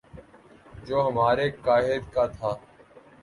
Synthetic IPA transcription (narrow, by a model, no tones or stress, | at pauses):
d͡ʒoːɦəmaːɾeːkaːɦɪd̪kaːt̪ʰaː